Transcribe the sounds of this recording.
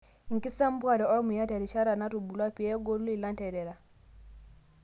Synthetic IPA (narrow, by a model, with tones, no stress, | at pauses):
ŋ̩˨ki˦sa˦m˦bwa˨ɾɛ˨ɔ˦mu˨ja˦tɛ˨ɾi˨ʃa˦ɾa˨na˦ɾu˨bu˨la˦pi˨˦ɛ˦ɡɔ˦lu˦i˨la˦n˦tɛ˨ɾɛ˨ɾa˨